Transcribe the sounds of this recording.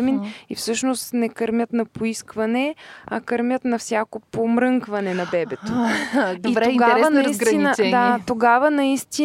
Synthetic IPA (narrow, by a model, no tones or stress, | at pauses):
minifsɤʃnost̪nɛkɐɾmʲjət̪nɐpoiskvɐnɛɐkɐɾmʲjət̪nɐfsʲjakopomɾɤŋkvɐnɛnɐbɛbɛt̪od̪iɾtɛoɡaɾvənisɡt̪inət͡ʃd̪at̪oɡavənɐist̪i